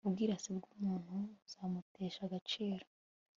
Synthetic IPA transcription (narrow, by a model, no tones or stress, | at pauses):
ubɡiːɾasibɡuːmuːn̥huz̥aːmute̞ːʃaɡat͡ʃeːɾo